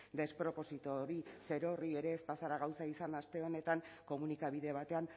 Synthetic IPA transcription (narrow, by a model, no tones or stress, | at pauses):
d̪e̞spɾo̞po̞sit̪o̞ɾise̞ɾo̞rie̞ɾe̞ːspasaɾaɣ̞awsaisanast̪e̞o̞ne̞t̪aŋko̞munikaβ̞iðe̞β̞at̪e̞an